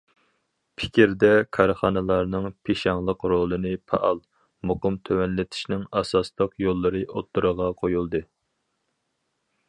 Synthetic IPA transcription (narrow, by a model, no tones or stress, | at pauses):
pʰɪ̥kʲiɾd̪ɛkʰɑɾχɑnɨlˠɑɾnɨŋpʰeʃɑŋlˠəqɾolˠɨnɨpʰɑ̰ʔɑlˠ | moqəmt̪ʰøwɛnlɪt̪ʰɪ̥ʃnɪŋɑsɑslˠəqjolˠːɨɾɨʔot̪ːuɾəʁɑqʰojulˠd̪ɨ